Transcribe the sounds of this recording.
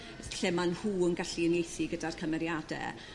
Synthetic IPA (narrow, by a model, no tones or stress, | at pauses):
ɬɛmanhuːənɡaɬiənejθiɡədarkʰəmɛɾjadɛ̰